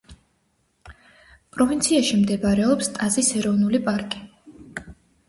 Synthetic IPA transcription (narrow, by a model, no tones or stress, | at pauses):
pʼɾɔvint̪sʰiaʃimd̪ɛbaɾɛɔpst̪ʼazisɛɾɔvnulipʼaɾkʼi